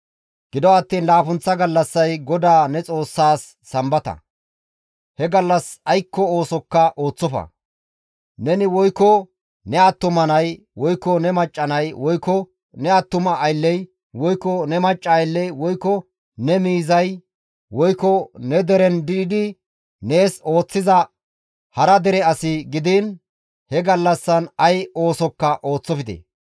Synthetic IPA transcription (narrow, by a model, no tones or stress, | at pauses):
ɡ̥ɪd̪ɔɐt̪ːiːnlaːfʊnt͡sːɐɡɐlːɐsːɐjɡɔd̪aːnɛt͡sʼo̞ːsːaːsːɐmbɐt̪ɐ̰ | hɛɡɐlːɐsɐjkːɔo̞ːsɔkːɐʔoːt͡sːɔfɐ̰ | nɛnɪwɔjkːɔ | nɛɐt̪ːʊmɐnɐj | wɔjkːɔnɛmɐt͡ʃʼːɐnɐjwɔjkːɔ | nɛɐt̪ːʊmɐːjlːɛj | wɔjkːɔnɛmɐt͡ʃʼːɐːjlːɛjwɔjkːɔ | nɛmiːzɐj | wɔjkːɔnɛd̪ɛɾɛnd̪ɪɪd̪ɪ | neːso̞ːt͡sːɪzɐ | hɐɾɐd̪ɛɾɛɐsɪɡɪd̪in | hɛɡɐlːɐsːɐnɐjo̞ːsɔkːɐʔo̞ːt͡sːɔfɪd̪ḛ